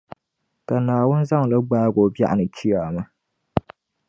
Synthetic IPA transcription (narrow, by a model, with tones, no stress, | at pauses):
ka˨naː˨wʊ˦n˦za˦ŋ˨la˦ɡ͡baː˦ɡo˨ba̰˦ʔa̰˨nɨ˨t͡ʃʰi˦aː˨ma˦